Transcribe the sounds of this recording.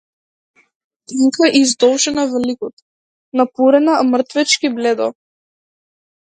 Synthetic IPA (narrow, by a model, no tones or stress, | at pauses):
t̪iŋkaʔizd̪ɔlˠʒɛnavlikɔt̪ | napuɾɛnamr̩t̪vɛt͡ʃkiblɛd̪ɔ̰